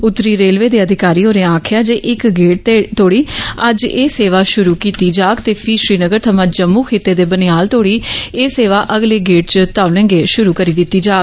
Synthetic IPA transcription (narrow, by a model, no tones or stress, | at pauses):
ʊt̪ːɾiːɾeːlʋeːd̪eːəd̪ʱɪkaːɾiːɦoːɾeãaːkʰjaːd͡ʒeːʔɪkɡeːʈ̚t̪ːt̪ʰoːɽiːəd͡ʒeːseːʋaːʃʊɾuːkiːt̪iːd͡ʒaːɡt̪eːpʰɪʃɾiːnəɡəɾt̪ʰəmãːd͡ʒəmːuːkʰeːt̪ːeːd̪eːbənɪjaːlt̪oːɽiːeːseːʋaːʔəɡleːɡeːʈ̚t͡ʃət̪aːʋlẽːŋɡeːʃʊɾuːkəɾiːd̪ɪt̪ːiːd͡ʒaːɡ